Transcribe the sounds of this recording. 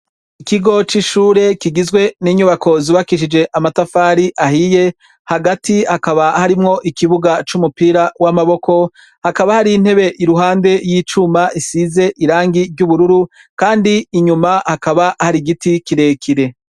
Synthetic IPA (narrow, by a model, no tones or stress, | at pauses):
ikiɡo̞t͡ʃiʃuːɾe̞kiɡizɡwe̞niːɲuβakʰo̞ziβakiʃ̬id͡ʒe̞ʔamatafaːɾiʔahije̞ | haɡatihakaβahaɾimŋo̞ʔikiβuɡat͡ʃumupiɾawamaβo̞ko̞ | hakaβahaɾiːn̥he̞βe̞ʔiɾuɦaːnde̞jiːt͡ʃumaʔisize̞ʔiɾaːŋɡivɟuβuɾuɾu | kaːndiːɲumahakaβahaɾiɡitikiɾe̞kʰiɾe̞